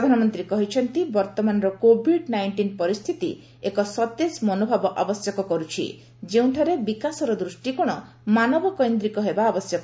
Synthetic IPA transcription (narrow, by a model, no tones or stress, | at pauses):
pɾɔd̪ʱanɔmɔnt̪ɾikɔɦit͡ʃʰɔnt̪ibɔɾt̪ɔmanɔɾɔkobʱiɖnajɳʈinpɔɾist̪ʰit̪ḭ | ekɔsɔt̪esmɔnobʱabɔʔabɔsjɔkɔkɔɾut͡ʃʰḭ | d͡ʒeũʈʰɔɾebikasɔɾɔd̪ɾusʈikɔɽ̃ɔ | manɔbɔkɔjnd̪ɾikɔɦebaːbɔsjɔkɔ